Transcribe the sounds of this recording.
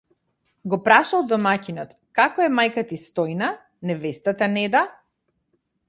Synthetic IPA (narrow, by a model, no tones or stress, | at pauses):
ɡɔpɾaʃalˠd̪ɔmacinɔt̪ | kakɔɛmajkat̪ist̪ɔjna | nɛvɛst̪at̪anɛd̪a